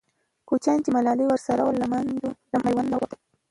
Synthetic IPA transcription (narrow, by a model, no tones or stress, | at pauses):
kut͡ʃɑnt͡ʃemalɑliwəɾsaɾawəlːamand̪olamajwanːawat̪a